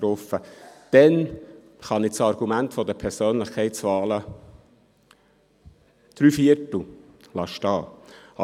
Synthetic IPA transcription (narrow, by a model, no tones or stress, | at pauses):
t̪ɾɔfəd̥ɛn | χɑnɪt͡sɑɾɡ̥umæntfɔd̪əpʰɛɾsøːnlɪχkʰɛɪt͡svɑːlə | d̪̥ɾyːfiəɾtl̩lɑʃtɑː